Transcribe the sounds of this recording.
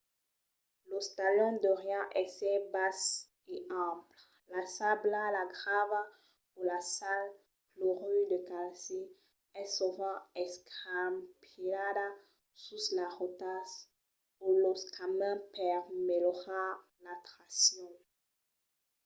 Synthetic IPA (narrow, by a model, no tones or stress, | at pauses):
lost̪alɔ̃d̪ɔʁjɑ̃ʔɛsɛbas | eãpl | lasablalaɡʁava | ulasal | klɔʁyd̪əkalse | ɛsɔvɑ̃ɛskampʰilad̪a | suslaʁot̪as | ulɔskʰamɛ̃pɛʁmelɔʁa | lat̪χasjɔ̃